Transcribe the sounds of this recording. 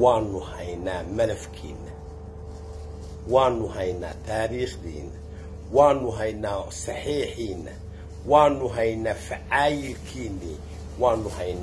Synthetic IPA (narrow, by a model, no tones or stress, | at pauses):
waːnʊhɐjnaːmɐlɛfkʰḭːnɐ | waːnʊhɐjna̰ːt̪ʰaːɾiːxd̪ḭːna | waːnʊɦɐjnaːsɑħiːħiːnɐ̰ | waːnʊɦɐjnaːfɪʕaːjɪlkʰiːnːi | waːnʊhɐjn